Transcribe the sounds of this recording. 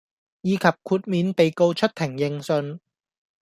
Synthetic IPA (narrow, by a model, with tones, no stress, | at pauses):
jiː˨˧kʰɐ˨p̚kʰuː˧t̚miː˨˧npe˨jko˧wt͡ʃʰɵ˥t̚t̪ʰɪ˨˩ŋjɪ˨ŋsɵ˨˧n